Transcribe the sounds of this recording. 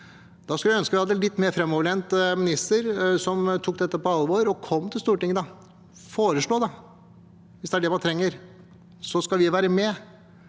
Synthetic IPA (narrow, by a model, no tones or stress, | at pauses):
d̪̥ɑskʉljæœnskəʋɪhɑd̪ːəlɪt̪ːmeːɾfɾɛmɔːʋəɭeːnt̪mɪnɪst̪əɾsɔmt̪ʰuːkːd̪ɛt̪ːəpɔɑlʋoːɾɔkʰɔmːt̪ʰɪlst̪uːʈɪŋːəd̪ɑ | foːɾəʂɭoːd̪ɑ | ʋɪsd̪ɛæɖɛmɑnt̪ʰɾɛŋːəɾ | sɔskɑlʋɪʋæːɾəmɛ